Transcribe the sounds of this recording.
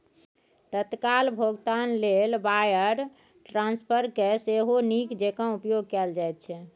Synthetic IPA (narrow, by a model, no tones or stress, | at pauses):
t̪ət̪kalbʱoɡt̪anlelbajəɾ | ʈɾãnspʰəɾkeseɦonikd͡ʒekə̃upjoɡkɛld͡ʒajt̪̚t͡ʃʰɛ